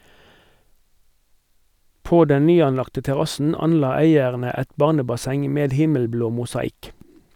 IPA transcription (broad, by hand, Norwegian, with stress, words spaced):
ˈpoː ˈdɛn ˈnyːɑnˌlɑktə tɛˈʁɑsn̩ ˈɑnˌlɑː ˈæɪəʁnə ˈɛt ˈbɑʁnəbɑˌsɛŋ ˈmeːd ˈhɪməlˌbloː mʊsɑˈɪk